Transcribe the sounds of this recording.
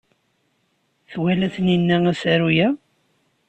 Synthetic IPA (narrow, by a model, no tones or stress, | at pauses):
θwælæθninːææsæɾujæ